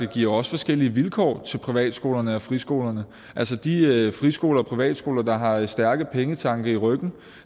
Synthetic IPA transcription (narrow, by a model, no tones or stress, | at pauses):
d̥e̝ɡ̥iɐ̰ɒ̽sə̥fɒ̽sɡ̥el̰iʋilkʰɒ̰ːt͡sʰe̝lpʰʁiʋɛ̰ːd̥sɡ̥o̝ːlɐnəɒfʁisɡ̥o̝̰ːlɐnə | ʔælsəd̥iøfʁisɡ̥o̝̰ːlɐɒpʰʁiʋɛ̰ːd̥sɡ̥o̝̰ːlɐd̥ɑ̈ɦɑ̈sd̥æɐɡ̥əpʰeŋət͡sʰɑ̈ŋɡ̥ɐiʁœɡ̥n̩